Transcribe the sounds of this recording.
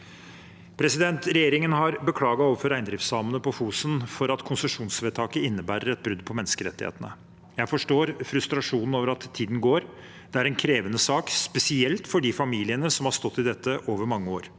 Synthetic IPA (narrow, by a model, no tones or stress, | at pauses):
pʰɾɛsɪd̪ɛnt̪ɾɛjeːɾɪŋənɦɑɾbəkʰlɑːɡɑoːʋəɾfɔɾæɪnd̪ɾɪft̪sɑmənəpɔfuːsənfɔɾɑt̪kʰʊnsəʂuːnsʋeːt̪ʰɑːkəɪnːəbæːɾəɾɛt̪̚bɾʉd̪ːpʰɔmɛnːəskəɾɛ̰t̪ːɪhḛːt̪ənə | jæɪfɔʂʈoːɾfɾʉst̪ɾɑʂuːnn̩oːʋəɾɑt̪ʰːiːd̪n̩ɡoːɾ | d̪̥ɛæɾɛnkʰɾeːʋənəsɑːkspɛsɪɛlt̪fɔɖiːfɑmiːlɪənəsɔmhɑst̪ɔt̪ːɪd̪ɛt̪ːəʔoːʋəɾmɑŋːəoːɾ